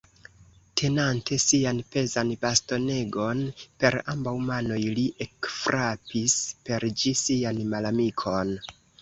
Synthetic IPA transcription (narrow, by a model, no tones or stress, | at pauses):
tʰe̞nantʰe̞sianpe̞zanbasto̞ne̞ɡo̞npe̞ɾambawmano̞jliʔekfɾapispe̞ɾd͡ʒisianmalamikʰo̞n